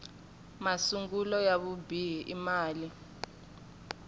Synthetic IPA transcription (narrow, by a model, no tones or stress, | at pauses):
masuŋɡulɔjaɓubʱiɦiʔimaːli